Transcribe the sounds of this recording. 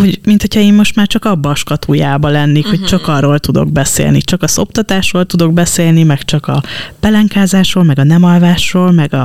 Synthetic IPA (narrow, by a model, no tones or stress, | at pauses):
ho̞ɟmint̪hocʰɒeːmo̞ʃt̪maːrt͡ʃɒkɒbːɒʃkɒt̪ʰuːjaːbɒlɛnːeːkhoct͡ʃɒkɒrːo̞ːlt̪ud̪o̞̰ɡbɛsḛːlnit͡ʃɒkɒzo̞p̚t̪ɒt̪aːʃrolt̪ud̪o̞ɡ̚bɛseːlnimɛkt͡ʃɒkɒb̥ɛlɛŋkaːzaːʃro̞ːlmɛɡɒnɛmɒlvaːʃroːlmɛɡɒ